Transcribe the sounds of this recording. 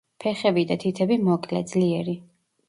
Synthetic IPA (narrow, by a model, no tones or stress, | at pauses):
pʰɛχɛbid̪at̪ʰit̪ʰɛbimɔkʼlɛ̰d̪zliɛɾi